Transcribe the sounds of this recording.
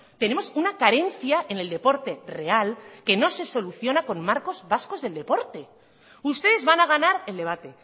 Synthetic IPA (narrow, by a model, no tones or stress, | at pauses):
t̪e̞ne̞mo̞sunakaɾe̞nθjaʔe̞ne̞ld̪e̞po̞ɾt̪e̞re̞alke̞no̞se̞so̞luθjo̞nako̞nmaɾko̞zβasko̞zðe̞ld̪e̞po̞ɾt̪e̞ | ust̪e̞ðe̞zβanaɣ̞anaɾe̞ld̪e̞β̞at̪e̞